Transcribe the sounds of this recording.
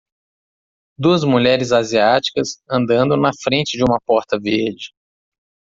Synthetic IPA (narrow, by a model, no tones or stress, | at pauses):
d̪uɐzmuʎɛɾɪzaziat͡ʃi̥kɐsɐ̃nd̪ɐ̃nd̪õnɐfɾẽnt͡ʃɪd͡ʒɪũmɐpɔɾt̪ɐveɾd͡ʒɪ